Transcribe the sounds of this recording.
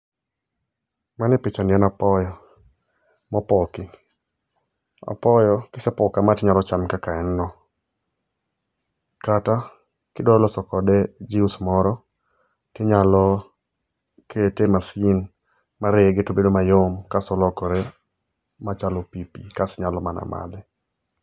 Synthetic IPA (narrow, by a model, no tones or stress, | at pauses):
manɪpɪt͡ʃanɪɛnapɔjɔ | mɔpɔkɪ | a̰pɔjɔkɪsɛpɔkamatɪɲalɔt͡ʃamkakaɛnːɔ | kata | kɪdɔlɔsɔkɔdɛd͡ʒiusmɔɾɔ | tɪɲalɔ | kʰetemasɪn | maɾɪɡɪtobedomajomkasɔlɔkɔɾe | mat͡ʃalopipḭkasɲalɔmana̰ma̰d̪ɛ